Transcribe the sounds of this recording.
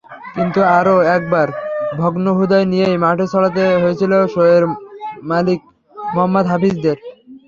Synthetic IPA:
kint̪uaɾoɛk̚baɾbʱɔɡnoɦud̪ajnijejmaʈʰet͡ɕʰɔɭat̪̬eɦojet͡ɕʰiloʃoeɾmalik̚ | moɦamːod̪ɦapisd̪eɾ

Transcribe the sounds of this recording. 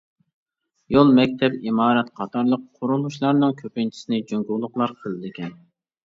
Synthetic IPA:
jolˠmɛk̚ʲt̪ʰɛpimɑːɾɛt̪qʰɑt̪ʰɑɾlˠəqʰoɾulˠuʃlˠɑɾnɨŋkʲʰøpɪnt͡ʃʰi̥sɪnɪd͡ʒøŋɡulˠʊχlˠɑɾqʰəlˠɨd̪ɪkʲɛn

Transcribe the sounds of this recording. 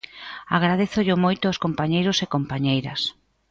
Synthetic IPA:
aɣɾað̞eθʊʎʊmojt̪ʊoskompaɲejɾʊsekompaɲejɾɐs

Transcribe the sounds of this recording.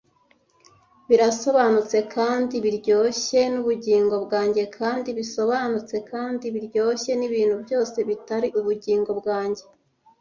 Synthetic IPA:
βiɾaso̞βanut͡se̞kʰaːndiβiɾɟo̞ːçe̞nuβuɟiːŋɡo̞bɡaːɲɟe̞kʰaːndiβiso̞βanut͡se̞kaːndiβiɾɟo̞ːçe̞niβiːn̥hubjo̞ːse̞βitaɾiʔuβuɟiːŋɡo̞bɡaːɲɟe̞

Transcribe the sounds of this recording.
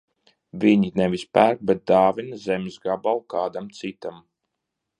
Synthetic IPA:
vʲiɲinɛvʲispæɾk̚bɛt̪̚d̪aːvinazɛmʲzɡabawkaːd̪amt̪sit̪am

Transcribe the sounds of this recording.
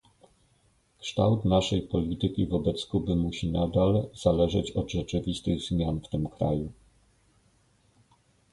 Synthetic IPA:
kʂt̪a̰wt̪naʂɛjpɔlʲit̪ɘkʲivɔbɛt̪skubɘmuɕinad̪alz̥alɛʐɛt͡ɕɔd̪ʐɛt͡ʂɘvʲist̪ɘɣzmʲjanft̪ɘmkɾa̰ju

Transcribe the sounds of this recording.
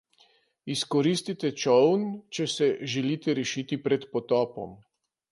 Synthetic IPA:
iskɔɾiːst̪it̪ɛt͡ʃɔwnt͡ʃɛsɛʒɛliːt̪ɛɾɛʃit̪ipɾɛt̪pɔt̪ɔːpɔ̰m

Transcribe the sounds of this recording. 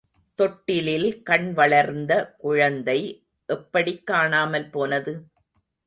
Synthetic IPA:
t̪ɔʈːɪlɪlkɐɳʋɐɭɐɾnd̪ɐkʊɻɐnd̪ɐɪ | ʔɛpːɐɽɪkːaːɳaːmɐlpoːnɐðɯ

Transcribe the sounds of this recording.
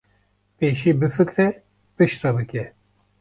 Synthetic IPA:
peːʃiːbɨfɨkɾɛ | b̥ɨʃɾɐbɨkʲɛ

